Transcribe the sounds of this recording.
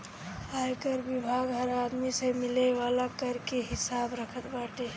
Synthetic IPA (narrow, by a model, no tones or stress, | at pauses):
ajkəɾbibʱaːɡɦəɾaːd̪misemɪleʋaːlakəɾkeɦɪsaːbɾəkʰət̪baːʈe